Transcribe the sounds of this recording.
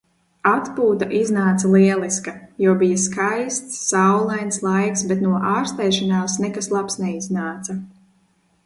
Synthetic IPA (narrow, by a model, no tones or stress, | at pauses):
at̪puːt̪aʔiznaːt̪salˠiɛlˠiskajuɔbijaskajst̪sːawlˠajnslˠajksbɛt̪nuɔʔaːɾst̪ɛjʃanaːsnɛkaslˠapsnɛiznaːt̪sa